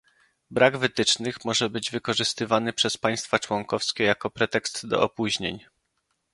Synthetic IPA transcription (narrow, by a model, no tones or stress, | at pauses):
bɾaɡvɘt̪ɘt͡ʂnɘxmɔʐɛbɘd͡ʑvɘkɔʐɘst̪ɘvanɘpʂɛspaj̃st̪fat͡ʂwɔŋkɔfskʲɛjakɔpɾɛt̪ɛkst̪d̪ɔ̰ɔpuʑɲḛɲ